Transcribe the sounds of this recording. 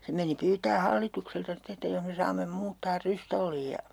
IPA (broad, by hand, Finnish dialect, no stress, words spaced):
se meni pyːtæː hɑlːitukseltɑ ste etːæ joh me sɑːmːem muːtːɑːr rystolːiːj jɑ